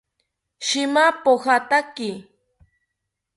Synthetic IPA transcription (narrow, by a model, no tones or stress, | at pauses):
ʃɪmapohat̪akɪ